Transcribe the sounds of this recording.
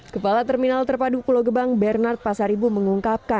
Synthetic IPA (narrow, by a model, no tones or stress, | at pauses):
kəpalat̪ɛrminalt̪ərpadupuloɡəbaŋbɛrnart̪̚pasaɾibuməŋuŋkap̚ka